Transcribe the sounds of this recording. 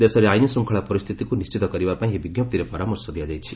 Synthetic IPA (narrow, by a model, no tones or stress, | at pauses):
d̪esɔɾeajnisuŋkʰɔɭapɔɾist̪ʰit̪ikunist͡ʃit̪ɔkɔɾibapãĩɦebiɡjɔp̚t̪iɾepɔɾamɔɾsɔd̪ijad͡ʒajt͡ʃʰi̥